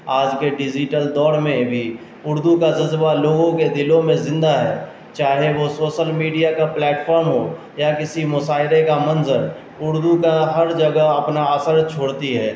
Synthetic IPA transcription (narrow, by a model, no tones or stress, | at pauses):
aːd͡ʒkeɖɪd͡ʒɪʈəld̪ɔːɾmẽbʱi | ʊɾd̪ukad͡ʒɐzbaloːɡõked̪ɪlõmẽzɪ̃nd̪aɦɛː | t͡ʃaːɦeʋosoːʃəlmiːɖijakaplɛːʈfʰɔːɾmɦo | jakɪsimʊsaːɪɾekamɐ̃nzən | ʊɾd̪ukaɦɐɾd͡ʒɐɡəɦɐpnaaːsəɾt͡ʃʰoːɽt̪iɦɛː